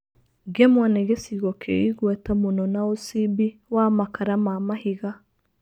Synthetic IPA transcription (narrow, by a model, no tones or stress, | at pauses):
ɡɛmwaneɣesiɣɔkʰeiɣwɛtamonɔnaosibiwamakaɾamamahiɣa